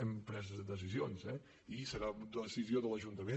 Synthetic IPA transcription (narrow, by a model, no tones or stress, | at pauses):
əmpɾɛzðəs̬izionzɛ | isəɾad̪əsizioðələʒunt̪əme